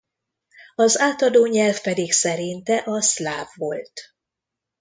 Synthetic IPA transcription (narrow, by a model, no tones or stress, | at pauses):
ɒzaːt̪ɒd̪oːɲɛlfpɛd̪iksɛɾint̪ɛʔɒslaːvːo̞lt̪